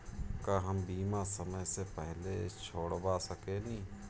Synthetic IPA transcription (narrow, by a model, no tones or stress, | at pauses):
kaːɦəmbiːmasəməjsepɛɦlet͡ʃʰoːɽbasəkenĩː